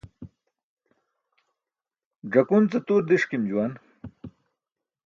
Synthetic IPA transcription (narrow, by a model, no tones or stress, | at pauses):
ɖ͡ʐɐkunt͡sɐt̪uːɾd̪iʂkimd͡ʑuwan